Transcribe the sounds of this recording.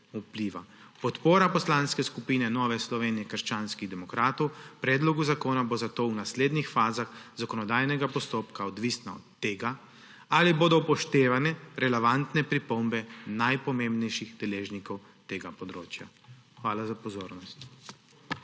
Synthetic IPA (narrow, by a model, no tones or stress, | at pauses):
upliʋa̰ | pɔt̪poːɾapɔslaːnskɛskupiːnɛnɔːʋɛslɔʋeːnijɛkəɾʃt͡ʃaːnskiɣd̪ɛmɔkɾaːt̪ɔwpɾɛːd̪lɔɡuzakoːnabozat̪oːwnasleːd̪nixfaːzaxzakɔnɔd̪aːjnɛɡapɔst̪oːpkaɔd̪ʋiːsnaɔ̰t̪ːeːɡa | aliboːd̪ɔpɔʃt̪eːʋanɛɾɛlɛʋant̪nɛpɾipɔmbɛnajpɔmẽmbnɛjʃiɣd̪ɛleːʒnikɔw | t̪eːɡapɔd̪ɾoːt͡ʃja̰ | xʋaːlazapɔzoːɾnɔst̪